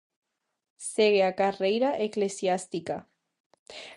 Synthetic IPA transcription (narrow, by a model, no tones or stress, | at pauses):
seɣeakarejɾaʔeklesjast̪ika